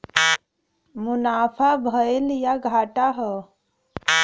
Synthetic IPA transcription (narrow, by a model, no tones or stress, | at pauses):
munapʰabʱəeljaɡʱaʈaɦə